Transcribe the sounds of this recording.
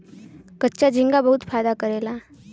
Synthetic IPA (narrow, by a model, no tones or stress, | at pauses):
kətːɕjad͡ʑiŋɡabəɦut̪fajd̪akəɾela